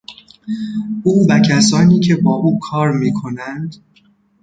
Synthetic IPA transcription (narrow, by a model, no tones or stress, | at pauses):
ʔuːvæcʰæsɒːniːcʰe̞bɒːʔuːkʰɒːɾmiːkʰo̞nænd̪